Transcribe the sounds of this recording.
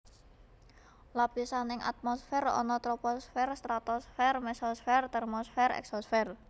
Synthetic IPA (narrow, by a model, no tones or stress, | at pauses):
lapisanɪŋʔa̰t̪̚mɔsfɛɾɔ̰nɔt̪ɾɔpɔsfɛrst̪ɾat̪ɔsfɛrmɛsɔsfɛrt̪ɛrmɔsfɛrɛ̰ksɔsfɛr